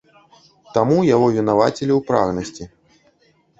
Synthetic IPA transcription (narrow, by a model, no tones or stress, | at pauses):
t̪amujaɣɔvʲinavat͡sʲelʲiwpɾa̰ɣnɐsʲt͡sʲi